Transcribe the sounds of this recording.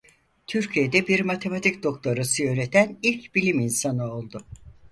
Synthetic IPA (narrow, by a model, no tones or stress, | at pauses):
t̪ʰyɾcʰijed̪ɛbiɾmat̪ʰe̞mat̪ʰicd̪o̞k̚t̪ʰoɾasɯjø̞net̪ʰænilʲcbilʲiminsanɯo̞lˠd̪ʊ